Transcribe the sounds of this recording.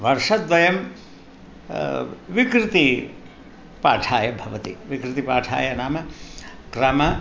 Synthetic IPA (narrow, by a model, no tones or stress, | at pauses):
ʋɐɾʂɐt̪ʋɐjɐm | ʋikɾit̪i | paːʈʰaːjɐbʱɐʋɐt̪ḭʋikɾit̪ipaːʈʰa̰ːjɐnaːmɐkɾɐmɐ